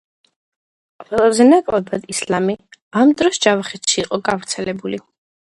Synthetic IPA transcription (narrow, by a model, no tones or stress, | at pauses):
qʼwɛlˠazɛnakʼlɛbad̪islamiamd̪ɾɔsd͡ʒavχɛt̪ʃiːqʼɔɡavɾt̪sʰɛlɛbuli